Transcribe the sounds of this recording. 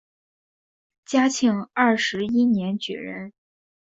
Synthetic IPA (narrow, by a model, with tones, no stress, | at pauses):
t͡ɕja˥t͡ɕʰi˧˥ŋɐ˥˩ʂɻ̩˧˥i˥njɛ˧˥nt͡ɕy̰˨˩ɻə̰˧˥n